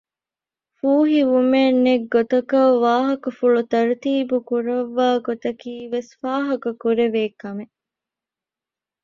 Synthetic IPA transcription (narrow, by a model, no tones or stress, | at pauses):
fuːɦiʋumenːeɡːot̪ɐkɐʋaːɦɐkɐfuɭut̪ɐɾt̪iːbukuɾɐʋːaːɡot̪ɐkiːʋesfaːɦɐkɐkuɾeʋeːkɐme